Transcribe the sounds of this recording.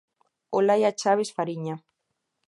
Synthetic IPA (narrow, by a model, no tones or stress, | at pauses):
olajat͡ʃaβesfaɾiɲa